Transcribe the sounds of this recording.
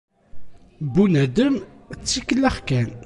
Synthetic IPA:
bunæd̪əmət͡sːikəlæχkæn

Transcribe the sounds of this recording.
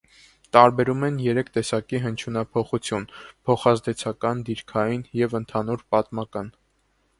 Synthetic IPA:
t̪ɑɾbɛɾumɛnjɛɾɛkʰt̪ɛsɑkiɦənt͡ʃʰunɑpʰɔχut͡sʰjunpʰɔχɑzd̪ɛt͡sʰɑkɑnd̪iɾkʰɑjinjɛvənt̪ʰɑnuɾpɑt̪mɑkɑn

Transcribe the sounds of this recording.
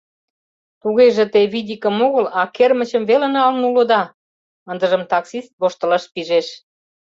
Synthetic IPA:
t̪uɣeʒĕt̪eβidʲikə̆moɣəlɑkermə̆t͡ɕəmβelĕnɑlnulod̪ɑ | ənd̪ə̆ʒə̆mt̪ɑksist̪̚βoʃt̪ə̆lɑʃpiʒeʃ

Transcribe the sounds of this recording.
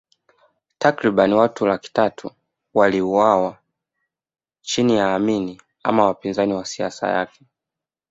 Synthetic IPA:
takɾiɓaniwatulaki̥tatʰṵ | waliuwawa | t͡ʃinijaːmini | a̰mawapinzaniwasia̰sa̰ja̰kɛ̥

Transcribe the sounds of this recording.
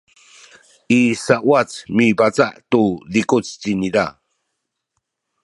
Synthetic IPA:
ʔisaʔwat͡smibat͡sa̰ʔt̪uðikut͡st͡ɕiniða

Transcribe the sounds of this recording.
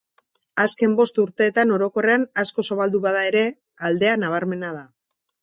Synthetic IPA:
aske̞mbo̞st̪uɾt̪e̞ːt̪ano̞ɾo̞ko̞re̞anasko̞soβald̪uβaðae̞ɾe̞ | ald̪e̞anaβ̞aɾme̞nað̞a

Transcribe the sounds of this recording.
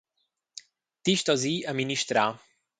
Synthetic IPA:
t̪iʃt̪ɔziɐminiʃt̪ɾa

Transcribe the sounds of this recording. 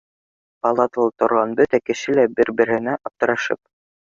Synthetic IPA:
pɑlˠɑt̪ɤlˠɤt̪ŏɾʁɑnbɵt̪ækɘ̆ʃɘlæbɘɾbɘ̆ɾ̆hɘ̆næʔɑp̚t̪ɤ̆ɾɑʃɤ̰p̚

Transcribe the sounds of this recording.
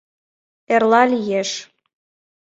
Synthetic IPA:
erlɑlʲijeʃ

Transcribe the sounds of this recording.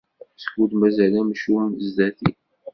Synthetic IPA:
sə̥kːud̪mæzælæmʃumzd̪æθi

